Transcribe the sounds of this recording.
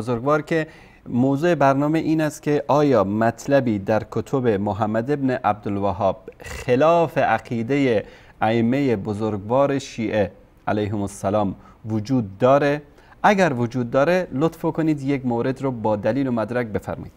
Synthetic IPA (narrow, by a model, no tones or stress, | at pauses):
ozoɾɡvɒːɾkʲʰe | mowzuːe̞bæɾnɒːmeʔiːnæst̪̚kʲʰeʔɒːjɒːmæt̪ʰlæbiːd̪æɾkʰot̪ʰobe̞moɦæmːæd̪ebneʔæb̚d̪olvæɦɒːb̥̚xelɒːfe̞ʔæqʰiːd̪e̞je | æemːejebozoɾɡvɒːɾe̞ʃiːʔe | ʔælæjɦemosːælɒːm | vod͡ʒuːd̪̚ːɒːɾe̞ | ʔæɡæɾvod͡ʒuːd̪ːɒːɾelot̪fokʰoniːd̪jekmoːɾe̞d̪ɾɔbɒːd̪æliːlomæd̪ɾæk̚be̞fæ̰ɾmɑ̰iːd̪